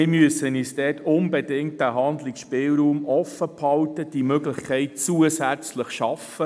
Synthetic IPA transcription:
ɪmyəsəniːsdɛːtʊnbedɪŋt̚d̥æɦɑnd̪lɪksʃpɪlɾuːmʔɔfəphɑltəd̥imøɡlɪχkʰɛɪt̚t͡suəsæt͡sləχʃɑfə

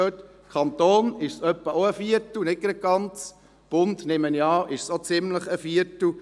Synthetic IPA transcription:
øt̪ | kʰχɑnt̪oːnɪʃsœpːəoəfiəɾtl̩nɪt̚ɡ̥ɾɛt̚ɡ̥ɑnt͡s | b̥ʊnt̪nɪməniɑːʔɪʃsot͡sɪmləχəfiəɾtl̩

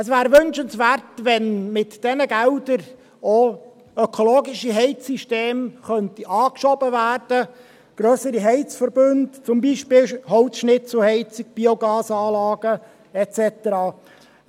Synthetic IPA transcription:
əsvæːɾʋʏnʃənsvæːrtʋɛnmɪtd̥ɛnəɡɛldəɾ | o | økʰoloːɡɪʃiɦɛɪt͡siʃteːmχœntiʔɑːkʃɔbəvæːrd̥ə | ɡ̥ɾœːsəɾiɦɛɪt͡sfəɾbʏndt͡sʊmbiːʃpɪːlhɔʊsʃnɪt͡sl̩hɛɪt͡siɡ̥̚b̥ioɡɑːsɑːlɑːɡ̥ə | ɛt͡sɛtəɾɑː

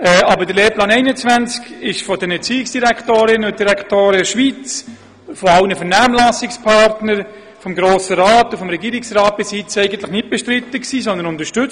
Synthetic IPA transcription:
ɛːʔɑbədəɾleːplɑːnɛɪnət͡svænt͡skɪʃfɔdɛnɛɾt͡siːɪksd̥iɾækʰtoːɾɪnʊt̚d̥iɾɛkʰtoːɾɛʃʋit͡s | fɔɑlnəfɛɾnæːmlɑsɪkspʰɑɾtnəɾ | fɔmɡɾoːsəɾaːtʊfɔmɾɛɡiːɾɪksrɑːt̚b̥ɪsit͡sɛɪɡən̩t̪lɪχnɪt̚b̥ɛʃtɾɪt̪ːəksiːsɔnd̪ənʊnd̪əʃtʏt͡s

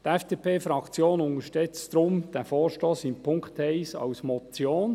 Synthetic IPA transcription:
tɛfd̥epʰeːfɾɑkt͡sjoːnʊŋəʃtɛt͡sd̪ɾʊmd̥æfɔːʃtoːsɪnpʰʊŋkt̪hɛɪsɑ̰wsmɔt͡sjoːn

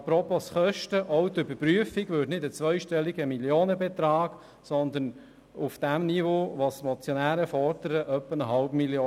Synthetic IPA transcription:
ɑpɾɔpːosχœʃtəʔɔwt̪ʏbəɾpɾyəfiɡʋʏtnɪdət͡sʋœʏʃtɛlːiɡəmiljoːnəbɛt̪ɾɑːk | sɔnd̪ən | ufd̥æmnivoʋosmɔt͡sjɔnæːɾəfɔɾd̪̥əɾəʔœpːənəɦɑlpmiljoː

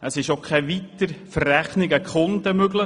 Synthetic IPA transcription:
ʔəsɪʃokʰɛʋit̪əɾfəræχnɪɡəkχʊnd̪əmøɡlə

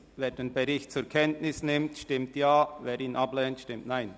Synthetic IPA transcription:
veːɾdenbɛɾɪçt̚t͡sʊɾkʰɛntnɪsnɪmtʃtɪmtjaːveːɾiːnʔablɛːntʃtɪmtnaɪn

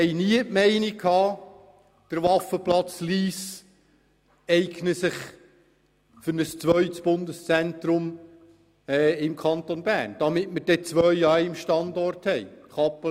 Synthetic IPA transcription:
ɛɪjniəʔmɛɪnikʰɑː | d̥əɾvɑfəplɑt͡sliːs | ɛɪɡnəsɪχ | fʏɾnəst͡sʋœʏtsb̥ʊndəst͡sɛntɾʊm | ɛːɪmkʰɑnt̪onbæːɾnd̥ɑmɪtməɾd̥ɛt͡sʋœʏɑjɪmʃtɑndɔrthɛɪχɑpːə

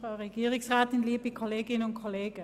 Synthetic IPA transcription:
ʁ̥aʊʁɛɡ̥iːʁɪŋsʁaːtɪnliːbikʰoleːɡɪnənʊntkʰoleːɡ̥ə

